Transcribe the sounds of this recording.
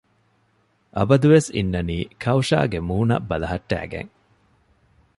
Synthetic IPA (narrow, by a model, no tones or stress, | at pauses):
ʔɐbɐd̪uʋesḭnːɐniːkʰɐwʃa̰ːɡemuːnɐ̰bɐlɐɦɐʈːæ̰ːɡḛŋ